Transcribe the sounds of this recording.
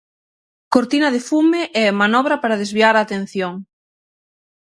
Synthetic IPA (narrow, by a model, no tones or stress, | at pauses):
koɾt̪inɐð̞ɪfumeʔɛmanɔβɾɐpaɾaðezβiaɾaːt̪en̟θjoŋ